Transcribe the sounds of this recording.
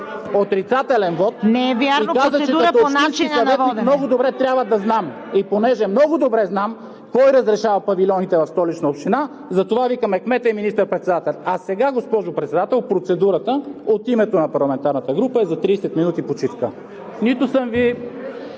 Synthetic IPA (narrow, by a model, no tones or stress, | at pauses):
ot̪ɾit̪sat̪ɛlɛnvɔt̪̚nɛɛvjaɾinokazət͡ʃɛɐoʃninst͡ʃinɐnɛt̪imnɔɡʊd̪obɾɛt̪ɾʲjabvəd̪ɐznam | iponɛʒɛmnɔɡʊd̪obɾɛznam | kɔjɾɐzɾɛʃavɐpɐvilʲɔnit̪ɛvɐfst̪ɔlit͡ʃnɐopʃt̪ina | zɐt̪ovavikəmɛxmɛt̪əɛminist̪əɾpɾɛt̪sɛd̪at̪ɛlʲɐsɛɡaɡospɔʒopɾɛt̪sɛd̪at̪ɛlˠpɾot̪sɛd̪uɾət̪əot̪imɛt̪onɐpɐɾlˠɐmɛnt̪aɾnət̪əɡɾupəɛzɐt̪ɾiːsɛt̪minut̪ipot͡ʃiskə̰ | nit̪ʊsəmvi